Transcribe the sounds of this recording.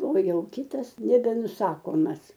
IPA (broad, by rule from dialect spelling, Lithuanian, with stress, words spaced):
oː ˈjɛʊ ˈkʲɪtɐs nʲɛbʲɛnʊˈsɑːkoːmɐs